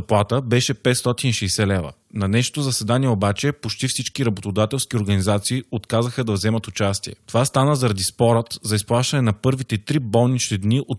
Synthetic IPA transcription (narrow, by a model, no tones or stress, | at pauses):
ɐplˠat̪əbɛʃɛpɛt̪st̪ɔt̪iniʃɛːsɛlɛvə̰ | nɐnɛʃo̥t̪ozɐsɛd̪aniɛobat͡ʃɛpot͡ʃt̪ifsit͡ʃkiɾɐbot̪od̪at̪ɛlˠskʲioɾɡɐnizat̪siːot̪kazəxəd̪ɐvzɛmət̪ʊt͡ʃast̪iɛ̰t̪ovast̪anəzɐɾɐd̪ispɔɾət̪zɐisplˠaʃt̪ɐnɛnɐpɤɾvit̪ɛt̪ɾibɔlˠnit͡ʃt̪id̪niʔot̪